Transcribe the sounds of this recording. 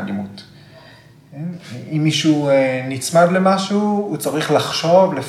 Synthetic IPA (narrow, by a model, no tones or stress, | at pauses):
dimut | imːiʃunit͡smad̪lemaʃuut͡saʁiχlaχʃo̞vlef